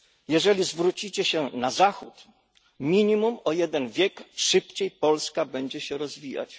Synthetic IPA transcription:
jɛʐɛlʲizvɾut͡ɕit͡ɕɛɕɛnazaxut̪ | mʲiɲimumɔjɛd̪ɛnvʲjɛkʂɘpt͡ɕejpɔlskabɛɲd͡ʑɛɕɛɾɔzvʲija̰t͡ɕ

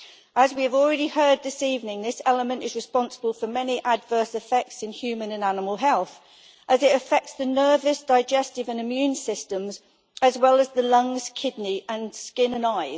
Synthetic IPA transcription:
əzwiəvɔlˠɹɛɾihɜːd̪̚ðɪsiːvnɪ̃ŋðɪsɛləmə̃ntɪzɹɪspɒ̃nsəbəlˠfəmɛniʔədvɜˑsɪfɛk̚tsɪ̃nhjʉːmə̃nə̃nanɪməlˠɦɛlˠθ | ʔəzɪtəfɛk̚tsðənɜːvəsd̥aɪd͡ʒɛstɪvə̃nɪmjʉ̃nsɪstə̃mz | əzwɛləzðəlʌ̃ŋz̥kʰɪdⁿniə̃nskɪ̃nə̃naɪ

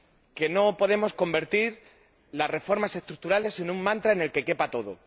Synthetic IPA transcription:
ke̞no̞po̞ðe̞mo̞sko̞mbe̞ɾt̪iɾ | lasre̞fo̞ɾmase̞st̪ɾuk̚t̪uɾale̞senuŋmãnt̪ɾaene̞lke̞ke̞pat̪o̞ðo̰

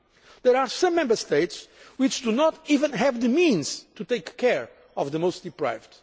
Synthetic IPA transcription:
ðɛɾasʌ̃mːɛ̃mbəst̪eɪtswɪt͡ʃd̪unɔtivə̃nɦɛvðɨmĩnz̥t̪ut̪eɪkʰːɛɹ | ɔvðəmoʊst̪̚d̪ipɹa̰ɪvd

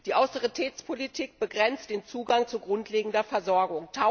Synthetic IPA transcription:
d̥iːʔaʊsteʁitʰɛːt͡spʰolitʰiːk̚b̥əɡʁɛnt͡std̥eːnt͡suːɡaŋt͡suɡʁʊntʰleːɡŋ̩dɐfɛɐzɔɐɡʊŋtʰa

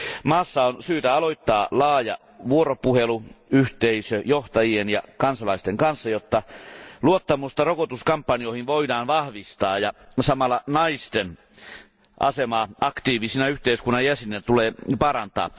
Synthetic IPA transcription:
mɑːsːɑonsyːt̪æɑloit̪ːɑːlɑːjɑ̰ | ʋuoropuheluyht̪eisøjoht̪ɑjienjɑkɑnsɑlɑist̪eŋkɑnsːɑjot̪ːɑluot̪ːɑmust̪ɑrokot̪uskɑmpːɑniohinʋoidɑːnʋɑhʋist̪ɑːjɑsɑmɑlːɑnɑist̪en | ʔɑsemɑːʔɑkt̪iːʋisinæyht̪eiskunːɑjjæsinet̪uleːpɑrɑnt̪ɑ̰ː

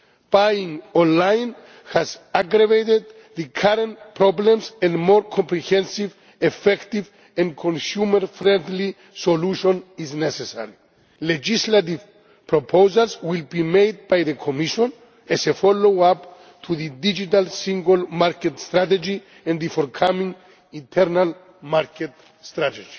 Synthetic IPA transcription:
b̥ajĩŋɔ̃nlajn | hazaɡɾavejt̪ed̪̚ | ðɨkʰaɾẽntpʰɾɔblẽmsɛ̃ndmɔɾkʰɔ̃mpɾihɛ̃nsiv | efɛkt̪iv | ɛ̃nkʰõnsjuməɾfɾɛ̃nd̪li | soluʃõniznɛsesa̰ɾi | led͡ʒislat̪̬iv | pʰɹopʰowzalswilbimejd̪̚bajðəkʰomiʃɔ̃n | ɛsefɔlowap | t̪ʰuðɨd̪id͡ʒit̪alsĩŋɡolmaɾket̪st̪ɾat̪ed͡ʒi | ɛ̃nðifɔɾkʰamĩŋ | ĩnt̪ʰɛɾnal | maɾkʰet̪ | st̪ɾat̪ed͡ʒi̥

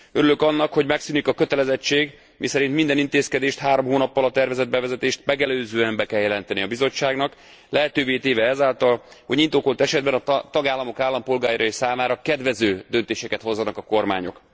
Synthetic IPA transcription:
øɾylø̞kɒnːɒkho̞ɟmɛksynikɒkøt̪ɛlɛzɛt͡ʃːeːɡ | misɛɾint̪mind̪ɛnint̪eːskɛd̪eːʃt̪haːɾo̞mɦoːnɒpːɒlɒt̪ɛrvɛzɛd̪̚bɛvɛzɛt̪eːʃt̪mɛɡɛløːzøːɛmbɛkɛljɛlɛnt̪ɛniɒbizo̞t͡ʃːaːɡnɒk | lɛɦɛt̪øːveːt̪eːvɛɛzaːlt̪ɒlhoɟɲint̪oːkolt̪ɛʃɛd̪bɛnɒt̪ɒɡaːlːɒmo̞kaːlːɒmpo̞lɡaːjaɾɒeʃsaːmaːɾɒkɛd̪vɛzøːd̪ønt̪eːʃɛkɛt̪ho̞zːɒnɒkɒko̞rma̰ːɲo̞̰k

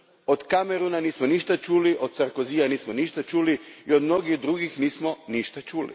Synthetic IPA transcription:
od̪kameɾunaniːsmoniʃt̪at͡ʃuːliʔod̪̥̚tsaɾkoziːjaniːsmoniːʃt̪at͡ʃuːliiod̪mno̞ɡid̪ɾuɡixniːsmoniʃt̪at͡ʃuːlḭ

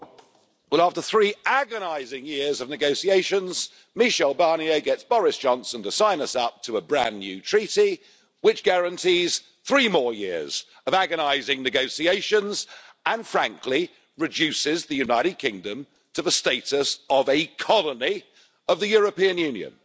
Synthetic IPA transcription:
wɛlˠæftəθɹiæɡənaɪzɪ̃ŋjɪɹzəvnɨɡoʊsieɪʃə̃nz | miʃɛlˠbɑɹniəɡɛtsb̥ɒɹɪsd̥ʒ̥ɒ̃nsə̃ntəsãɪ̃nəsʌp̚tʰəəbɹæ̰̃nːjʉtʰɹ̥iˑɾi | wɪt͡ʃɡ̥æɹə̃ntʰiz̥ | θɹimɔːjɪ̰əz̥ | əvæɡənaɪzɪ̃ŋnɨɡoʊsieɪʃə̃nzʔə̃nfɹæ̃ŋkʰli | ɹɨd͡ʒʉˑsɪzðɨjʉnaɪɾɨd̚kʰɪ̃ŋdə̃m | tʰəðəsteɪtəsəvɨkʰɒləni | əvðɨjɔɹəpĩə̃njʉ̃njɨ̰̃n

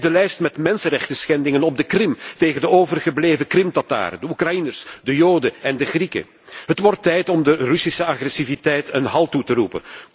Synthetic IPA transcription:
dəlɛjstmɛtmɛnsənrɛxtəsxɛndɪŋənɔb̚dəkrɪmteːɣəndəoːvərɣəbleːvəkrɪmtɑta̰ːrədəukrajinərsdəjoːdəɛndəɣrikə̰ | ɦətʋɔrtːɛjtɔmdərʏsisəɑɣrɛsivitɛjtənɦɑlˠtutəɾupə̰n

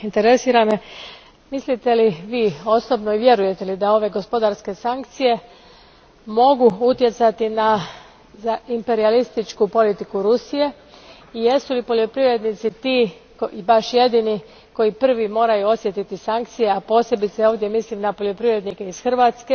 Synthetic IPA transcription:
int̪eɾe̞siːɾame | mislit̪e̞liʋiːo̞sobnoiʋje̞ɾuje̞t̪e̞lid̪ao̞ʋe̞ɡo̞spo̞d̪aɾske̞saŋk̚t̪sije̞ | mo̞ɡuut̪je̞t̪sat̪ina | zaimpe̞ɾialist̪it͡ʃkupo̞lit̪ikuɾusije̞ | ije̞sulipo̞ʎʲo̞pɾiʋɾe̞d̪nit̪sit̪iː | kibaʃje̞d̪ini | ko̞jipr̩ʋimo̞ːɾajuo̞sje̞t̪it̪isaŋk̚t̪sije̞apo̞ːsje̞bit̪seoːʋd̪je̞mislimnapo̞ʎʲjo̞pɾiʋɾe̞d̪nikeisxr̩ʋat̪ske

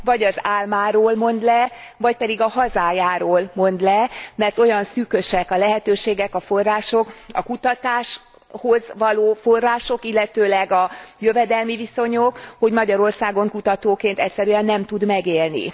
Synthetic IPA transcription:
vɒɟɒzaːlmaːɾoːlmo̞nd̪lɛvɒc̚pɛd̪iɡɒɦɒzaːjaːɾoːlmo̞nd̪lɛmɛrt̪o̞jɒnsyːkø̞ʃɛkɒlɛɦɛt̪øːʃeːɡɛkɒfo̞rːaːʃo̞kɒ̰kut̪ɒt̪aːʃ | ho̞zʋɒloːfo̞rːaːʃo̞kilːɛt̪øːlɛɡɒjø̞vɛd̪ɛlmiviso̞ɲokho̞ɟmɒɟɒɾo̞rsaːɡo̞ŋkut̪ɒt̪oːkeːnt̪ɛcʲsɛɾyɛnːɛmt̪ud̪mɛɡeːlnḭ

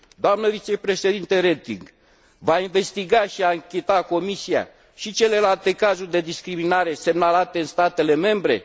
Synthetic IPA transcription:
d̪oamnəvit͡ʃe̞pɾeʃed̪int̪eɾet̪ḭŋɡ | vainve̞st̪iɡaʃiaɨŋkʲet̪ako̞misia̰ | ʃit͡ʃe̞le̞lalt̪e̞kazurʲd̪e̞d̪iskɾiminaɾe̞se̞mnalat̪eɨnst̪at̪e̞le̞me̞mbɾe̞̰

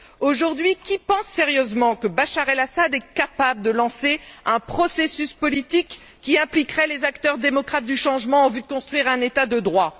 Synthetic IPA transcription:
oʒuʁd̪ɥikʲipɑ̃sːeʁjøzmɑ̃kəbaʃaʁɛlasad̪ɛkapabləd̪əlɑ̃seɛ̃pχɔsesyspɔlit̪ikː | iɛ̃plikʁɛlezakt̪œʁd̪emɔkχat̪̚d̪yʃɑ̃ʒmɑ̃ɑ̃vyd̪əkɔ̃st̪χwɥiʁɛ̃net̪ad̪əd̪ʁwa

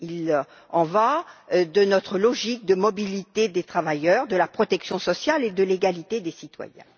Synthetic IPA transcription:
il | ɑ̃vad̪ənɔt̪χəlɔʒik̚d̪əmɔbilit̪ed̪et̪χavajœʁd̪əlapχɔt̪ɛksjɔ̃sɔsjaled̪əleɡalit̪ed̪esit̪wa̰jɛ̰̃

